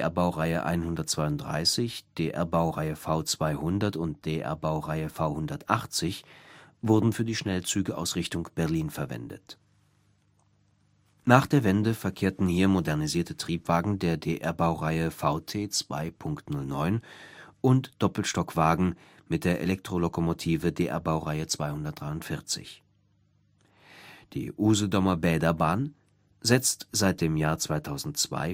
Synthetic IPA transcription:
ʔɛɐbaʊʁaɪə̰ʔa̰ɪnhʊndɐt̚t͡sv̥aɪʊntd̥ʁa̰ɪsɪçd̥eːʔɛɐbaʊʁaɪəfaʊt͡sv̥aɪhʊndɐtʊnt̚d̥eːʔɛ̰ɐbaʊʁaɪəfaʊhʊndɐtʔaχt͡sɪçvʊɐdn̩fyːɐdiːʃnɛlt͡syːɡəʔa̰ʊsʁɪçtʊŋb̥ɛɐliːnfɛɐvɛ̰ndə̰t | naːχd̥eːɐvɛndəfɛɐkʰeːɐtn̩hiːɐmodɛɐʁniziːɐtʰətʁ̥iːpv̥aːɡŋ̩deːɐdeːʔɛɐbaʊʁaɪəfaʊtʰeːt͡sv̥a̰ɪpʰʊŋktnʊlnɔʏnʔʊntd̥ɔpl̩ʃtɔkv̥aːɡŋ̩ | mɪt̚d̥eːɐʔḛlɛktʁ̥olokomotʰiːvədeːʔɛ̰ɐbaʊʁaɪət͡sv̥aɪhʊndɐt̚d̥ʁaɪʊntfɪɐt͡sɪ̰ç | d̥ḭːʔuːzodɔmɐbɛːdɐbaːn | zɛt͡stz̥aɪt̚d̥eːmjaːɐt͡sv̥aɪtʰaʊzn̩tt͡sv̥a̰ɪ

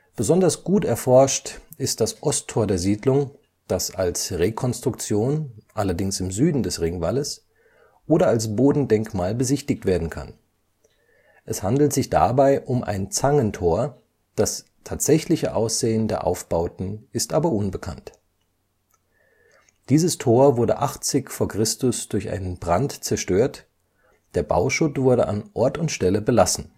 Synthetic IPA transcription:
b̥əzɔndɐsɡ̥uːtɛɐfɔɐʃtɪst̚d̥asʔɔstʰːoːɐdeːɐziːdlʊŋ | d̥asalsʁekʰɔnstʁ̥ʊkt͡sjoːnʔalɐdɪŋsɪmzyːdn̩dɛsʁɪŋvaːləs | ʔoːɾɐalsb̥oːdn̩dɛŋkmaːlbəzɪçtɪk̚tv̥eːɐdn̩kʰa̰n | ʔɛshandl̩tz̥ɪçd̥a̰baɪʔʊmʔa̰ɪnt͡saŋəntʰoːɐ | d̥as | tʰaːtz̥ɛçlɪçəʔaʊsz̥eːəndeːɐʔa̰ʊfb̥aʊtn̩ɪstʔaːbɐʔʊnbəkʰa̰nt | d̥iːzəstʰoːɐvʊɐdəʔaχt͡sɪçfoːɐkʁ̥ɪstʊsd̥ʊɐçʔa̰ɪnənbʁantt͡sɛɐʃtøːɐt | d̥eːɐba̰ʊʃʊtv̥ʊɐɾəʔa̰nʔɔɐtʊntʃtɛləbəlasn̩

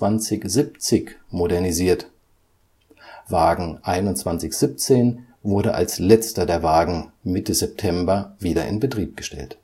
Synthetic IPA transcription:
v̥ant͡sɪçzip̚t͡sɪçmodɛɐniziːɐt | vaːɡŋ̩ʔaɪnʊntt͡sv̥ant͡sɪçz̥ip̚t͡seːn | vʊɐɾəʔa̰lslɛt͡stɐdeːɐvaːɡŋ̩mɪtəzɛp̚tʰɛmbɐviːɾɐ̰ʔɪ̰nbətʁ̥iːp̚ɡ̥əʃtʰɛ̰lt

